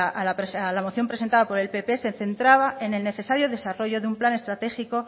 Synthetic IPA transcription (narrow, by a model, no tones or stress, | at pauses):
ɾesalamo̞θjo̞mpɾesent̪aðapo̞ɾe̞lpe̞pe̞senθe̞nt̪ɾaβae̞ne̞lne̞θe̞saɾjoðe̞saro̞ʝo̞ðeumplane̞st̪ɾat̪e̞xiko̞